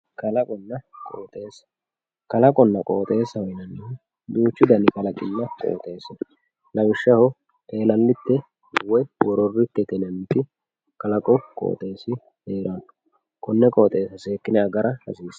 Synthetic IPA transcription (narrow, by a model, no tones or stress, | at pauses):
kɐlɐkʼɔnːɐkʼo̰ːt̪ʼe̞ːs | kɐlɐkʼɔnːɐkʼoːt̪ʼe̞ːsɐwɔjnɐnːɛ | d̪uːt͡ʃːʊd̪ɐnɪkɐlɐkʼɪnːɐkʼo̰ːt̪ʼe̞ːsɪn | lɐwɪʃːɐhɔ | ʔeːlɐlːɪt̪ːɛ | wɔwɔɾɔrːɪt̪ːɛt̪ɛnɛmt̪ɪ | kɐlɐkʼɔkʼo̰ːt̪ʼe̞ːsɪ | heːɾɐn | kʰʼɔnːɛkʼoːt̪ʼe̞ːsɐse̞ːkːɪnɪɐɡɐɾɐhɐ̰siːs